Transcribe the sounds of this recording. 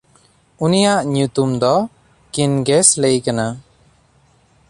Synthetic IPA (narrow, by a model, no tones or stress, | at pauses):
unijaʔɲut̪umd̪ɔ | kinɡɛslejkana